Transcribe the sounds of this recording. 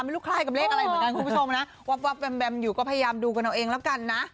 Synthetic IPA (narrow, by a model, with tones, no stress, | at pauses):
m˧luː˥˩kʰlaː˧˥˩jka˨˩p̚leː˦˧˥k̚a˧ɾa˧mm˨˦ka˧nkʰu˧bt͡ɕʰo˧mna˦˥ʔ | wa˦˥p̚wa˦˥p̚wɛ˧mbɛ˧mjuː˨˩kɔː˥˩pʰja˧jaː˧mduː˧k̬a˧na˧˩ʔeː˧ŋlɛ˦˥wka˧nːa˦˥ʔ